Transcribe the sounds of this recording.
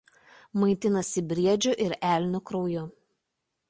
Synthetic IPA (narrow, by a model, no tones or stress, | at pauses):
mɐɪt̪ʲɪnɐsʲɪbʲɾʲiɛd͡ʒʲʊʔɪɾæːˑlʲnʲʊkɾɔʊjʊ